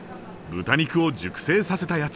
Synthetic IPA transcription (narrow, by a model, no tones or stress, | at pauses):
bɯ̟t̪aɲʲikɯ̟o̞d͡ʑɨkɯ̟̥se̞ːsase̞t̪ajat͡s